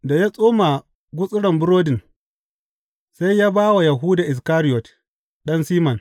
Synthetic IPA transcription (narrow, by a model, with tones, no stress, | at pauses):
da˨ja˦sʼoː˦maː˨ | ɡʷʊ˦sʼɪ˦ɽɐ˨mbʊ˦ɾoː˦dɪ˨n | sa˦jjaː˦baː˦wa˨ja˨ɦuː˦daː˨ʔɪ˨s̬kaː˦ɾɪ˦jɔ˨t | ɗɐ˦nsiː˦mɐ˨n